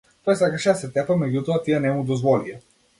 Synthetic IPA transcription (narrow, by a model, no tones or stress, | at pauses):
t̪ɔjsakaʃɛd̪asɛt̪ɛpamɛɟut̪ɔat̪ianɛmud̪ɔzvɔlia